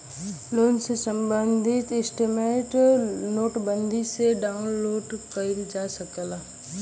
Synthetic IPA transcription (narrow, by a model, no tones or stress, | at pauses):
loːnsesə̃mbə̃nd̪ʱɪt̪ɪsʈɪmeʈnoːʈbə̃nd̪ʱiseɖaːʊnloːɖkəiɾd͡ʒaːsəkəla